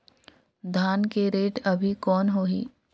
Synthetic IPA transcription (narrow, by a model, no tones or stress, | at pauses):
d̪ʱaːnkeɾeːʈɐbʱikɔːnɦoːɦiː